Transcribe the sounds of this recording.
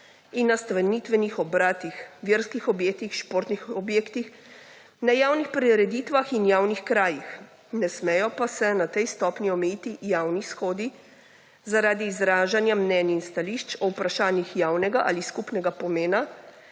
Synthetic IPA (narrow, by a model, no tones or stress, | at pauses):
inːast̪aʋɛnit̪ʋɛnixɔbɾaːt̪ixʋjeɾskixɔbjeːk̚t̪ixʃpoɾt̪nixɔbjeːkt̪ix | najaːwnixpɾiɾɛd̪iːt̪ʋaxinjaːwnixkɾaːjix | nɛsmɛjɔpasɛnat̪ɛjst̪ɔːpniɔmɛjit̪ijaːwnisxoːd̪i | zaɾaːd̪iːzɾaːʒanjamnɛninst̪aliʃt͡ʃɔupɾaʃaːnjixjaːwnɛɡaʔa̰liskupnɛɡapɔmeːna